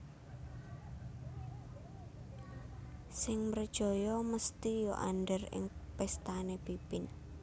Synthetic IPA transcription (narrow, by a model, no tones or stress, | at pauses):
sɪŋmərd̥ʒ̥ɔ̤jɔməst̪ijoʔa̰nɖərɪ̰ŋpɛst̪anepipɪn